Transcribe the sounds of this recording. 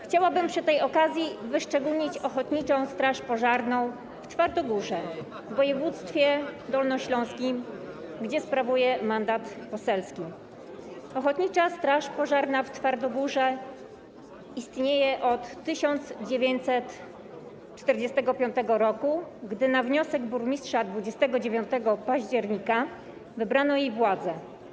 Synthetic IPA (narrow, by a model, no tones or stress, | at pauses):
xt͡ɕawabɘmpʂɘt̪ɛjɔkazʲjivɘʂt͡ʂɛɡulɲit͡ɕɔxɔt̪ɲit͡ʂɔ̃w̃st̪ɾaʂpɔʐaɾnɔ̃w̃ | ft̪faɾd̪ɔɡuʐɛ | vːɔjɛvut̪st̪fʲjɛd̪ɔlnɔɕlɔ̃w̃skʲim | ɡd͡ʑɛspɾavujɛmand̪at̪pɔsɛlskʲi | ɔxɔt̪ɲit͡ʂast̪ɾaʂpɔʐaɾnaft̪faɾd̪ɔɡuʐɛ | ist̪ɲejɛʔɔt̪ːɘɕɔnd̪zd͡ʑevʲeɲt̪sɛt̪ | t͡ʂt̪ɛɾd͡ʑɛst̪ɛɡɔpʲjɔnt̪ɛɡɔɾɔkuɡd̪ɘnavɲɔsɛɡbuɾmʲistʂad̪vud͡ʑɛst̪ɛɡɔd͡ʑevʲjɔnt̪ɛɡɔpaʑd͡ʑɛɾɲika | vɘbɾanɔjejvwad̪zɛ